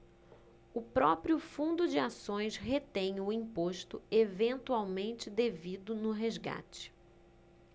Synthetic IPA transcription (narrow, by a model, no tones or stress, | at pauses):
ʊpɾɔpɾiʊfũnd̪ʊd͡ʒɪasõj̃sɦet̪ẽj̃ʊĩpoʃt̪ʊevẽnt̪uawmẽnt͡ʃɪd̪evid̪ʊnʊɦezɡa̰t͡ʃɪ̥